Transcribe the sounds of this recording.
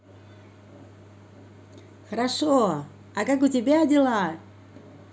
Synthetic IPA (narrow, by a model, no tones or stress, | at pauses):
xəɾaʂo | akakʊtʲɪbʲeadʲɪlˠat